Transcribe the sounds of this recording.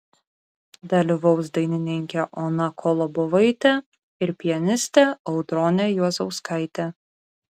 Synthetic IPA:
d̪ɐlʲɪʋɒʊs̬d̪ɐɪnʲɪnʲɪŋʲkʲɛʔɔnɐkʰɔlˠɔbɔʋɐɪt̪ʲɛ | ɪɾpʲɪjɛnʲɪsʲt̪ʲɛɐʊd̪ɾɔnʲɛjuɔzɐʊskɐɪt̪ʲɛ

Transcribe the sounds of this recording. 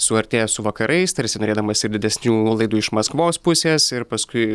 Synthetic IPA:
sʊɐɾʲt̪ʲeːjɛsʊʋɐkɐɾʔɐɪst̪ɐɾʲsʲɪnoːɾeːd̪ɐmɐsɪɾdʲɪd̪ʲɛsʲnʲuːlˠɐɪd̪uːɪʃmɐskʋoːspʊsʲeːsɪɾpɐskʊɪ

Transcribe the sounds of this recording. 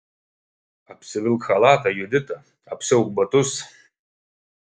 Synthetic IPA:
apʰsɨvɨlkχalatʰʼajɪdɨtʼa | apʰsɨwkʷbatʼus

